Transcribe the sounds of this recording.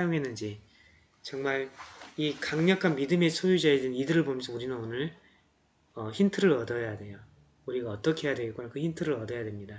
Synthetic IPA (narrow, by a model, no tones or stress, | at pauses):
ajoŋɦe̞nːɯnd͡ʑi | t͡ɕʌŋmaɭikaŋɲʌkʰanmidɯme̞sʰojud͡ʑaedenidɯɾɯɭbomjʌnsʰʌuɾinɯnonɯɭ | ʌçintʰɯɾɯɾʌdʌjadwe̞jo | uɾiɡaʌt͈ʌkʰe̞jadweɭk͈onakɯçintʰɯɾɯɾʌdʌjadwemɲida